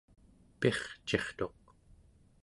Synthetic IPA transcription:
pe̞χt͡ʃe̞χt̪o̞q̚

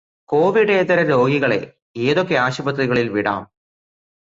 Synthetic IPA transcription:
ko̞ːʋiɽeːt̪ɐɾɐɾo̞ːɡiɣɐɭe̞̰ | eːðokːe̞aːɕubɐt̪riɣɐɭilʋiɽa̰ːm

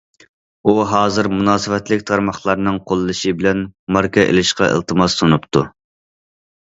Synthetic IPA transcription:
uɦɑːzɨɾmunɑːsɨvɛt̪lɪkʲt̪ʰɑɾmɑχlˠɑɾnɨŋqʰolˠːɨʃɨbɪlɛnmɑɾkɑʔḛlɪʃqɑʔḛlˠt̪ʰɨmɑsːonupt̪ʰu

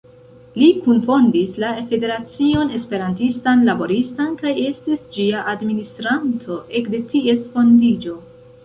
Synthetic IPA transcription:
likunfo̞ndislafe̞de̞ɾat͡sio̞ne̞spe̞ɾantistanlabo̞ɾistankaje̞stisd͡ʒiaʔadministɾantʰo̞ʔe̞kde̞tie̞sfo̞ndid͡ʒo̞

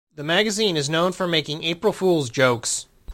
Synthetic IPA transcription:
ðɨmæɡɨzĩnɨznõʊ̃nfə˞meɪkɪ̃ŋeɪpɹl̩ˠfulˠzd͡ʒoʊks

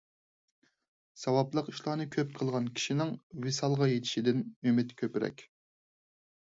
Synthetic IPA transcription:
sɑwɑplˠəqiʃlˠɑːnɨkʲʰøp̚qʰəlˠʁɑnkʲʰi̥ʃinɪŋwesɑlˠʁɑjet̪ʰɪ̥ʃid̪ɪnømɪt̪kʲʰøpɾɛ̰kʲ

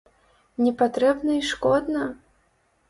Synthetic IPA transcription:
nʲɛpat̪ɾɛbnɐiʂkɔd̪nɐ

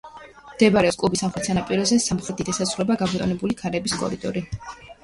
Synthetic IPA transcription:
md̪̥ɛbaɾɛɔskʼlˠubisamχɾɛt̪sʰanapʼiɾɔzɛsamχɾɛt̪ʰit̪ʰɛsasulɛbaɡamɔt̪ʼɔ̰nɛbulikʰaɾɛbiskʼɔ̰ɾid̪ʼɔ̰ɾi

